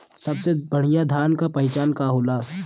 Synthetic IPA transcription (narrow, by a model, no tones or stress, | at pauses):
sɐbsebəɽ̤ijãd̪ʱaːnkapɐɪt͡ʃaːnkaɦoːlaː